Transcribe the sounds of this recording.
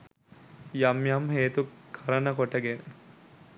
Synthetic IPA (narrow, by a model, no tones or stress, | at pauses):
jɐmjɐmɦeːt̪ukʰɐɾɐnɐkoʈɐɡe